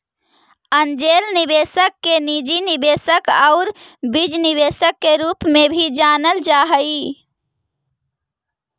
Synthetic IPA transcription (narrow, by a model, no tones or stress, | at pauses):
ənd͡ʒelnibesəkːenid͡ʒinibesəkaʊɾbid͡ʒniβesəkːeɾupmebʱid͡ʒanəld͡ʒaɦəi